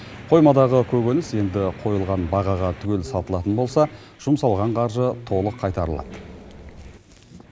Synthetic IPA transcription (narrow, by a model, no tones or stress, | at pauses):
qʰo̞jmɑd̪ɑʁəkʲʰɵɡʲenɪse̞nd̪ɪqʰo̞jəlˠʁɑnbɑʁɑʁɑt̪ʰʏɡʲe̞lsɑlˠt̪əlˠɑt̪ənbo̞lˠsɑ | ʒ̥ʊmsɑlˠʁɑɴqʰɑɾʒət̪ʰo̞lˠəqʰːɑjt̪ɑɾəlˠɑ̰d̪ə